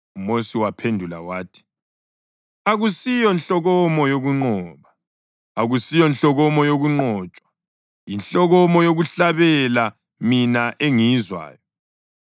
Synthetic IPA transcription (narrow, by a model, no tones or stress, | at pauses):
umosiwapʰendʱula̰waːtʰi̥ | aɣusijɔnɬɔɣɔmɔjoɣuŋ͡ǃɔːβa | aɣusijɔnɬɔɣɔmɔjoɣuŋ͡ǃɔːt͡ʃʼwḁ | jinɬɔɣɔmɔjoɣuɬaβɛla | minaʔeŋizwa̰ːjɔ